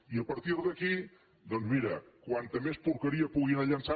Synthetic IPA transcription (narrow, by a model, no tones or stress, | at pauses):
iəpəɾt̪iɾðəki | d̪ɔnzmiɾəkwant̪əmespuɾkəɾiəpuɣinaʎənsa